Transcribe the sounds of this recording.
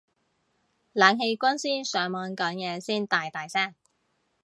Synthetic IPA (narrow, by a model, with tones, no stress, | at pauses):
laː˨˧ŋɦe˧jkʷɐ˥nsiː˥nsœː˨˧ŋmɔː˨˧nkɐː˨˥njɛː˨˧siː˥˩nt̪aː˨jt̪aː˨jsɛː˥˩ŋ